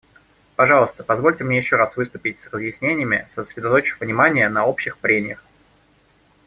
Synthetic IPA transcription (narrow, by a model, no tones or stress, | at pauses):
pɐʐɑlˠəst̪ə̥pɐzvo̞lʲtʲɪmnʲejɪɕːoɾasvɨst̪ʊpʲɪtʲsrəzjɪsʲnʲenʲɪjəmʲɪ̰səsɾʲɪd̪ɐt̪ot͡ɕɪ̥vnʲɪmanʲɪjənɐo̞pɕːɪxpɾʲemʲɪjəx